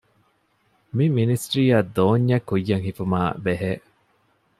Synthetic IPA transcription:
miminisʈɾiːaːd̪oːɲːɐkːujːɐŋhifumaːbeɦeː

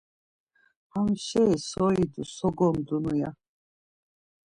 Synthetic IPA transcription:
hamʃɛisɔid̪usɔɡɔmd̪unuja

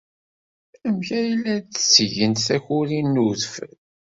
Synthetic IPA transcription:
əmçæjlːæt͡sːsʝənt̪θæçʊɾinːuðfəl

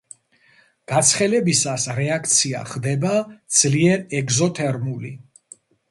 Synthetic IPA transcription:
ɡ̥at̪sʰχɛlɛbisasɾɛak̚ʰt̪sʰia̰χd̪ɛbad̪z̥liɛɾɛɡzɔt̪ʰɛɾmuli

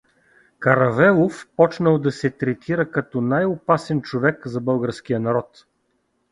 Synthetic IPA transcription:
kɐɾɐvɛlˠofpɔt͡ʃnəlˠd̪ɐsɛt̪ɾɛt̪ʰiɾəkɐt̪ɔnajʊpasɛnt͡ʃovɛkzɐbɤlˠɡəɾsk̟ijənɐɾɔt̪

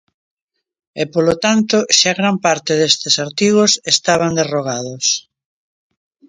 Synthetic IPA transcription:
epolot̪ant̪oʃaɣɾampaɾt̪eðest̪esaɾt̪iɣ̞osest̪aβ̞and̪eroɣaðos

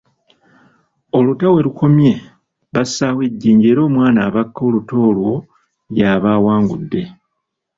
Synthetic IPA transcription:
olutawe̞ɾukʰo̞mje̞ | βasːaweɟːiːɲɟeːɾo̞ːmwaːnaːβakːo̞ːluto̞ːlwo̞ | jaβaːwaːŋɡṵdːe̞

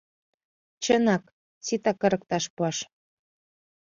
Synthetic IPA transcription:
t͡ɕənɑk | t͡sit̪ɑkːə̆ɾə̆k̚t̪ɑʃpuɑʃ

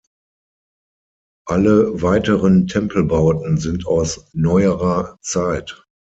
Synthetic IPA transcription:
ʔaləvaɪtəʁəntʰɛmpʰl̩baʊtn̩zɪntʰaʊsnɔʏəʁɐt͡saɪt

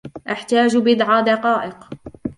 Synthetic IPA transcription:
ʔaħt̪aːd͡ʒbɪd̪ʕaːd̪ɑqɑːʔɪq

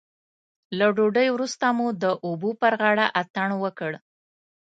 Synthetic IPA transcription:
laɖoɖəjwɾust̪amud̪əʔubupəɾɣɑɽaʔat̪aɳwəkəɽ

